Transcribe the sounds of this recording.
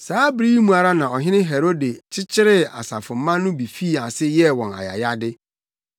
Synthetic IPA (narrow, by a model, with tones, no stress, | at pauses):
saː˨˦bɾi˦mũ˨a˨ɾa˦nã˨ɔ˨ɦɪ̃˦nɪ̃˦ɦe˨ɾo˦de˨t͡ɕʰɪ˦t͡ɕʰɪ˦ɾɪ˦a̰˨sa̰˨fʊ̃˨m˦mã˦nːʊ̃˦bi˨fi˦a˨sɪ˦jɛ˦wɔ̃˨na̰˨ja̰˨ja˦dɪ˦